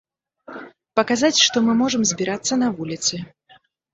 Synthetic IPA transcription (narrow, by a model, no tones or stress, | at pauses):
pɐkazat͡sʲʂt̪ɔmɨmɔʐɨmzʲbʲiɾat̪sːɐnɐvulʲit̪sɨ